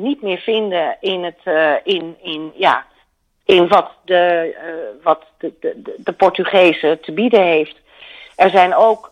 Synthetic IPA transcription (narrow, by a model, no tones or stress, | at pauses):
nitmɪːɹvɪndəɪnətɪnɪnja̰ | ɪnʋɑtdə | ʋɑt | dəpɔɹtyχejzətəbidəɦejft | ʔɛɹzɛjnowk